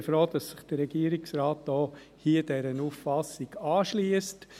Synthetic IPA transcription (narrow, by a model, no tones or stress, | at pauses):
fɾoːd̥ɑsːɪχd̥əɾɛɡ̥iːəɾiksraːt̚dɔː | hiːəd̥ɛɾənuffɑsːɪɡ̥ɑːʃliːəst